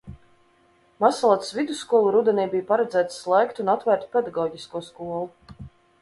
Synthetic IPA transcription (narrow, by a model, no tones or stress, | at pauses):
masalˠat̪svid̪usːkuɔlˠuɾud̪ɛnʲɛjbijpaɾɛd̪zæːt̪sːlˠɛjkt̪unat̪væːɾt̪pʲed̪aɡɔːɟiskuɔskuɔlˠu